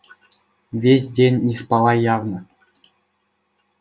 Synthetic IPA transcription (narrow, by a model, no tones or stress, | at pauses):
vʲesʲdʲenʲːispɑlˠɑjɑvnɤ̆